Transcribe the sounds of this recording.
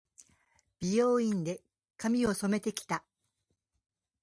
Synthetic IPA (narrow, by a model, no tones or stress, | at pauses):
b̥ʲijoːĩnd̪e̞ | kamʲio̞so̞me̞t̪e̞kʲi̥t̪a